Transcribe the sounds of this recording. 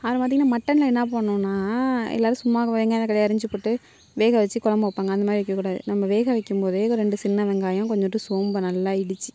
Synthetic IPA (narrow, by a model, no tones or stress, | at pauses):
ɐʋɐɾɐ̃paːɾt̪iŋɡɐnːaːmɐʈːɐnɪlɐɛnːaːp̬oːɳːõːnːaːɛ̰lːaːɾɯ̃sʊmːaːɣɐʋeːŋɡaːnakɐɭɐjaɐɾɐɲd͡ʒɯpoːʈːɯ | ʋeːɣɐʋɛt͡ʃːɯkɔlɐmbɐɯpːaːŋɡɐnd̪ɐmaːd̪ɾɪʋɛkːɐkuːɽaːðɯ̰nɐmːɐʋeːɣɐʋɛkːɯmpoːðɯɾɛɳɖɯsɪnːɐʋɛŋɡaːjɐ̃kɔɲd͡ʒɔʈːɯsoːmbɐnɐlːaːɪɽɯt͡ʃːɯ̥